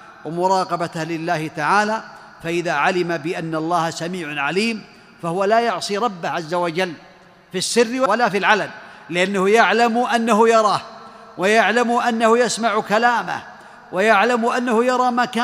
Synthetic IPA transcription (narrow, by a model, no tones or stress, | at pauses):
wamʊɾˤɑːqɑbat̪hlɪlːaːhɪt̪aʕaːlaː | faʔɪðaːʕalɪmabɪʔanːalˤːɑːhasamiːʕʊʕaliːm | fahʊwalaːjʊʕsˤiɾˤɑbːahʕazːawad͡ʒalː | fisːɪrːɪwawalaːfilʕalalːɪʔanːahʊjaʕlamʔanːahʊjɑɾˤɑː | wajaʕlamʊʔanːahʊjasmaʕʊkalaːma̰h | wajaʕlamʔanːahʊjɑɾˤɑːmaːkaː